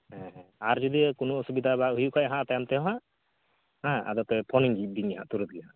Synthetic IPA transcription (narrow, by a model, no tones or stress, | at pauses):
ɦɛ̃aɾd͡ʒɔd̪ikunɔɔsubid̪ʱaβaʔɦujuʔkʰɔʔaɦãʔt̪ajamt̪ɛɦɔ̃ɦaʔ | hãa̰d̪ɔt̪ɛpʰɔniŋd͡ʒib̪iɲaɦa̰ʔt̪uɾut̪̚ɡiɦaʔ